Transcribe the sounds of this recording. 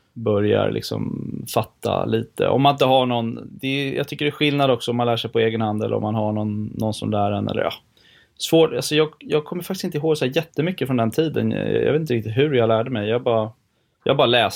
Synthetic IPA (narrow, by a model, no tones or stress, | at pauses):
bœɾja̰ɾlɪ̰ksɔ̰mfat̪ːa̰liːt̪ə̰ʔɔ̰mːanɪnt̪əɦaɳɔnd̪ɛjʔɑ̰ːt̪ʰʏkːəɖɛæɧɪlnad̪ɔksɔɔmːanlæːʂɛjpʰɔeːɡənhand̪ɛ̰lə̰ɾɔ̰mːanɦaɳɔnːɔnsɔmlæːɾɛnʔɛ̰lːə̰ɾʔɑ̰ | svoːʈalsɔjɑːɡjɑːɡ̚kʰɔmːəɾfakt̪ɪsɪnt̪əɪɦoːɡsɔhæːɾjɛt̪ːəmʏkːəfɾɔnd̪ɛnt̪ʰiːd̪ə̰n̰jɑ̰veːt̪ɾɪkt̪ɪt̪ɦɵɾjalæːɖəmɛjjɑabɑːɾa | jɑ̰hbɑːɾalɛːs